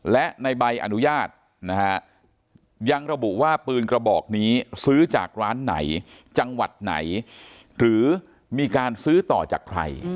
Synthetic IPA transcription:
lɛ˦˥ʔna˧jba˧jʔa̰˧nu˦˥jaː˥˩t̪̚ | na˦˥kʰa˦˥ʔ | ja˧ŋɾa˧bu˨˩waː˥˩pɯː˧nkɾa˧bɔː˨˩k̚niː˦˥sɯː˦˥t͡ɕa̰ː˨˩k̚ɾaː˦˥nːa̰˩˦j | t͡ɕa˧ŋwa˨˩t̪̚na̰˩˦j | ɾɯː˩˦ | miː˧kaː˧nsɯː˦˥t̪ɔː˨˩t͡ɕa̰ː˨˩kʰɾa̰˧j

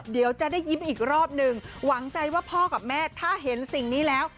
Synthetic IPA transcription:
di˩˦əwt͡ɕa˨ʔdaː˥˩jːi˦˥mʔiː˨˩k̚ɾɔː˥˩p̚nɯ˧ŋwa˩˦ŋt͡ɕa˧jwaː˥˩pʰɔː˥˩ka˨˩p̚mɛː˥˩t̪ʰaː˥˩ɦe˩˦nsi˨˩ŋniː˦˥lɛː˦˥w

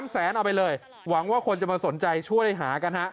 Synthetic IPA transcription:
msɛː˩˦nʔa˧wpa˧jlɤː˧j | wa˩˦ŋwaː˥˩kʰo˧nt͡ɕa˨˩maː˧so˩˦nt͡ɕa˧jt͡ɕʰu˥˩əjjjɦaː˩˦ka˧nha˦˥ʔ

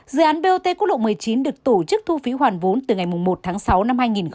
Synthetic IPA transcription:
zɨ̰˨˧˦ʔaː˨˦nɓe˧ʔo˧t̪e˧kkk̚ɗo̰˧˨mɨ˨˩əjt͡ɕi˨˦nɗɨ˨˩ək̚t̪o˧˩t͡ɕɨ˦˥k̚t̪ʰu˧fi˨˦ɦwaː˨˩nvo˨˦nt̪ɨ˨˩ŋa˨˩jmʊ˨˩ŋ͡mmo˨˩t̚t̪ʰaː˨˦ŋsa˨˦wna˧mhaː˧jŋi˨˩n

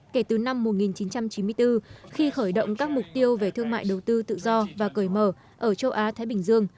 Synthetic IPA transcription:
ke˧˩t̪ɨ˨˩na˧mːo˨˩t̚ŋi˨˩nt͡ɕi˨˦nt͡ɕa˧mt͡ɕi˨˦nmɨ˧əjt̪ɨ˧xi˧xəː˧˩jɗə̰˧˨wŋ͡mkaː˦˥k̚mʊ˨˩k͡p̚t̪i˧əwve˨˩t̪ʰɨ˧əŋma̰ː˧˨jɗə˨˩wt̪ɨ˧t̪ɨ̰˧˨zɔ˧vaː˨˩kəː˧˩jməː˧˩ | ʔəː˧˩t͡ɕə˧wʔaː˨˦t̪ʰaː˨˦jɓï˧˩ŋ̟zɨ˧əŋ

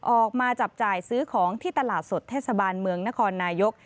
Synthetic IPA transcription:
ʔɔː˨˩k̚maː˧t͡ɕa˨˩p̚t͡ɕaː˨˩jsɯː˦˥kʰɔː˩˦ŋt̪ʰiː˥˩t̪a˧laː˨˩t̪̚so˨˩t̪ʰːɛː˥˩sa˧baː˧nmɯ˧əŋna˦˥kʰɔː˧nːaː˧jo˦˥k̚

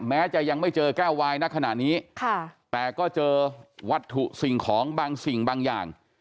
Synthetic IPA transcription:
mɛː˦˥t͡ɕa˨˩ja˧ŋma˥˩jt͡ɕɤː˧kɛː˥˩wwaː˧jna˦˥˩kʰa˧na̰˨˩ʔniː˦˥kʰa˧˩t̪ɛː˨˩kɔː˥˩t͡ɕɤː˧wa˦˥t̪ʰːu˨˩ʔsi˨˩ŋkʰɔː˩˦ŋbaː˧ŋsi˨˩ŋbaː˧ŋja̰ː˨˩ŋ

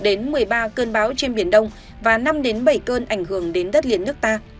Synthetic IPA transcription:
ɗe˨˦nmɨ˨˩əjɓaː˧kəː˧nɓaː˨˦wt͡ɕe˧nɓi˧˩ənɗə˧wŋ͡m | vaː˨˩na˧mɗe˨˦nɓə˧˩jkəː˧nʔa˧˩jŋ̟hɨ˧˩əŋɗe˨˦nzə˦˥t̚li˧˨ənːɨ˦˥k̚t̪aː˧

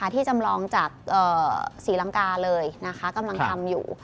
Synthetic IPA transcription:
a˥˩t̪ʰiː˥˩t͡ɕa˧mlɔː˧ŋt͡ɕaː˨˩k̚ʔɤː˨˩siː˩˦la˧ŋkaː˧lɤː˧jna˦˥kʰa˦˥ka˧mla˧ŋt̪ʰa˧mjṵː˨˩

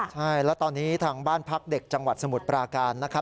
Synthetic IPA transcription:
t͡ɕʰa˥˩jlɛː˦˥t̪ɔː˧nːiː˦˥t̪ʰaː˧ŋbaː˥˩npʰa˦˥k̚de˨˩k̚t͡ɕa˧ŋwa˨˩t̪̚sa˧mu˨˩t̪̚pɾaː˧kaː˧nːa˦˥kʰɾa˦˥p̚

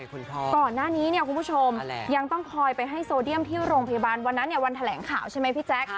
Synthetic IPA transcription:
kɔː˨˩nːaː˥˩niː˦˥ni˥˩əkʰu˧npu˥˩t͡ɕʰo˧mja˧ŋt̪ɔ˥˩ŋkʰɔː˧jpa˧jɦa˥˩jsoː˧di˥˩əmt̪ʰiː˥˩wɾoː˧ŋpʰa˧jaː˧baː˧nwa˧nːa˦˥nːi˥əwa˧nt̪ʰa˧lɛ̰ː˩˦ŋkʰaː˨˩˦wt͡ɕʰa˥˩jma˦˥jpʰi˦˥t̪̚t͡ɕɛ˦˥k̚

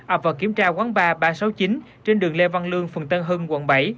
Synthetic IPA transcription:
ʔə˨˩p̚vaː˨˩ki˧˩əmt͡ɕaː˧kwaː˨˦ŋɓaː˧ɓaː˧sa˨˦wt͡ɕi˨˦n | t͡ɕe˧nɗɨ˨˩əŋle˧va˧nlɨ˧əŋfə̰˨˩ŋt̪ə˧nɦəː˧nwə̰˧˩nɓa˧˩j

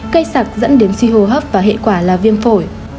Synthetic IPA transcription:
kə˧jsaː˨˩k̚zə̰˧˥nɗe˨˦nswi˧ɦo˧˩ɦəː˦˥p̚vaː˨˩ɦḛ˧˨kwaː˧˩laː˨˩vi˧ənfo˧˩j

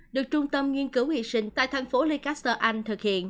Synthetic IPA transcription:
ɗɨ˨˩ək̚t͡ɕʊ˧ŋ͡mt̪ə˧mŋi˧ənkɨ˨˦whḭ˧˨sï˧ŋ̟t̪a̰ː˧˨jt̪ʰa˨˩˦jŋfo˨˦li˧kaː˦˥st̪əː˧ʔa˧jŋ̟t̪ʰɨ˨˩k̚hḭ˧˨ənʔ

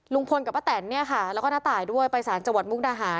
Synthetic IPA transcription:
lu˧ŋpʰo˧nka˨˩pʔaː˦˥˩t̪ɛː˩˦nːi˥˩ɐka˥˩lɛː˧˦˥wkɔː˥˧naː˦˥t̪aː˨˩jdu˥˩əjpa˧jsaː˩˦nt͡ɕa˧ŋwa˨˩mu˦˥knaː˧ɦaː˨˩˦n

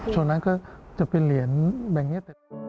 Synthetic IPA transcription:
t͡ɕʰu˧˩ə˨ŋna˦˥nkɔː˥˩t͡ɕa˨˩pe˧nli˨˩˦ənbɛː˨˩p̚ni˦˥t̪ɛ˨˩

